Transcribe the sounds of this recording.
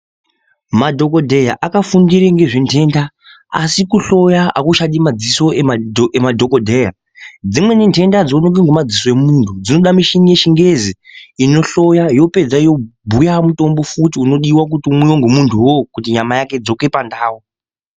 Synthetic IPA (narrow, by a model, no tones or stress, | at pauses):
madʱo̞ko̞dʱe̞jaʔakafundiɾeŋɡe̞ʐentʰe̞ːnda | a̰sikuɬo̞jaa̰kuʃaɗimad͡ziso̞eemadʱo̞kodʱeja | d͡zimwe̞nintʰe̞ndad͡zoonokiŋɡomad͡ziso̞emuntʰud͡zino̞ɗamiʃinije̞ʃiŋɡe̞ziino̞ɬo̞jajo̞pe̞d͡zajo̞bʱujamuto̞mbo̞futiuno̞ɗiwak̬utiumwujoŋɡumuntʰuwo̞kutiɲamajake̞d͡zo̞ke̞pandaːwo